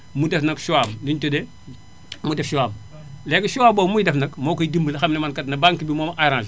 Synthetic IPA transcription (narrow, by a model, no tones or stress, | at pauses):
mudɛfnɐkʃuwaːmdintode | mudefʃuwaːm | lekɐʃuwaːboːmujdefnɐkmoːkojidimbəlɐxɐmnɐmankɐtnɐbaŋkibimoːmɐʔajɾãl